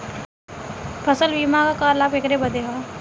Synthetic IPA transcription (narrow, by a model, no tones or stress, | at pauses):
pʰəsəlbiːmakakaːɾlaːbekɾebəd̪eɦaː